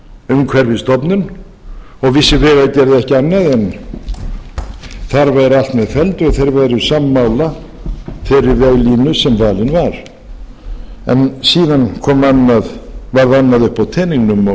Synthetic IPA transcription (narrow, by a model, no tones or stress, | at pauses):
ʏmkʰvɛɾvɪst̪ɔpnʏn | ɔɣvɪsːɪvɛːɣaðcɛɾðɪɛhcɪanːaðɛn | θaɾvajɾal̥t̪mɛðfɛlt̪ʏaðθejɾvajɾʏ̥samːaːwla | fɛɾɪɾvɛɣliːnʏsɛmvaːlɪnvaɾ̥ | ɛ̰nsiːðankʰɔːmanːaðvaɾðanːaðʏhpawt̪ʰɛːniŋnʏmɔ